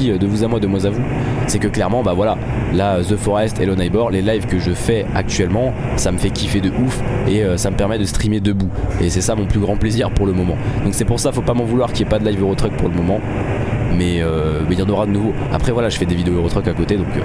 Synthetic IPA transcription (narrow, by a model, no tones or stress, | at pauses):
iød̪əvuzamwad̪əmwazavu | sɛkəklɛʁmɑ̃bavwala | laøzøfɔʁɛst̪ʰelənajbɔʁlelajvkəʒəfɛa̰k̚t̪ɥɛlmɑ̃ | saməfɛkʲifed̪əʔufeøsaməpɛʁmɛd̪əst̪χimed̪əbuesɛsamɔ̃plyɡʁɑ̃pleziʁpuʁləmɔmɑ̃d̪ɔ̃ksɛpuʁsafopamɑ̃vulwaʁkʲiɛpad̪əlajvøʁot̪χœk̚puʁləmɔmɑ̃ | mɛømɛiljɑ̃nɔʁad̪ənuvo | a̰pχɛvwalaʒəfɛd̪evid̪eoøʁot̪χœkakot̪ed̪ɔ̃k